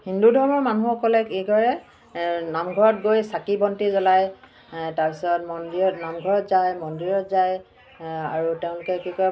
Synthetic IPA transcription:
hindudʱɔɹɔmɔɹmanuxɔkɔlɛkejɡɔɹɛ | namɡʱɔɹɔt̚ɡojsakibɔntizɔlaj | taɹpisɔtmɔndiɹɔtnamɡʱɔɹɔtzajmɔndiɹɔtzaj | aɹutɛʊ̃lʊkɛkikɔ

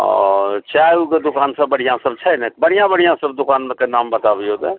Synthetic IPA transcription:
ɔ̰t͡ʃaːuked̪ʊkaːnsəbəɽ̤ijãsəbt͡ʃʰənɛbəɽ̤ijãbəɽijãsəb̚d̪ʊkaːnmẽkenaːmbət̪abiod̪e

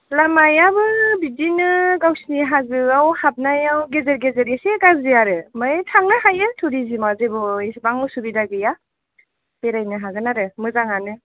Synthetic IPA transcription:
lamajabɯbidinɯɡawsniɦazɯawhap̚najawɡezeɾɡezeɾeseɡazɯaɾɯmɯtʰaŋnɯhajɯtʰuɾizimazebɔsbaŋɯsubidaɡɯja | peɾajnɯɦaɡɯnaɾɯmɯzaŋanɯ

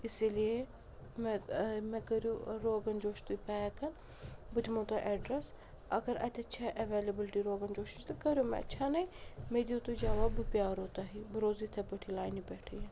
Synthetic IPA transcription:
ɪsilie | mɛmɛkɐɾjuɾoːɡɐnd͡ʒoːʃt̪uipɛːkɐn | bɨd̪mõt̪ɐʔɛɖɾɐs | ɐɡɐɾɐ̰t̪ʲɐt͡ʃʰaʔɐʋeːlɐbɪlʈiːɾoːɡɐnd͡ʒoːʃint͡ʃt̪ɨkɐɾjoːmɛ̰ɐ̰t͡ʃʰaːnɐjmed̪ijoːt̪ud͡ʒaːʋaːbɨpjaːɾoːt̪aɦibɨɾoːzit̪ʰɐbɐʈʰilaːjnibɛːʈʰij

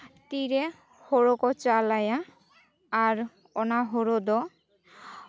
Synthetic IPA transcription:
t̪iɾe | hoɾokɔt͡ʃalajaː | ɾ | ɔnaɦoɾod̪ɔ

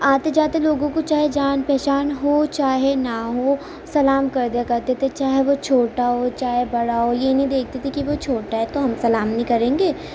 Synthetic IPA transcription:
aːt̪ed͡ʒaːt̪eloːɡõkot͡ʃaːɦed͡ʒaːnpɛːʃaːnɦoːt͡ʃaːɦenaɦoː | sɐlaːmkɐɾd̪ijakɐɾt̪et̪ʰet͡ʃaːɦeʋot͡ʃʰoːʈaɦot͡ʃaːɦebɐɽaɦojenɐɦĩd̪eːk̚ʰt̪et̪ʰikiʋot͡ʃʰoːʈaɦɛt̪oɦɐmsɐlaːmnɐɦĩkɐɾẽːŋɡeː

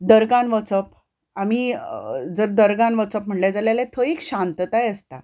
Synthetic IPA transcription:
d̪əɾɡãnʋət͡səp | ami | d͡zəɾd̪əɾɡãnʋət͡səp̚m̤əɳled͡zaljalẽt̪ʰəekɕãnt̪ət̪ajəst̪a

